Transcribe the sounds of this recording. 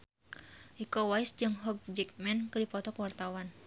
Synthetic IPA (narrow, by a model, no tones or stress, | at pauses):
ʔikɔwaisd͡ʒɨŋɦɔɡ̚d͡ʒɛk̚mɛnkɨdipɔt̪ɔkwart̪awan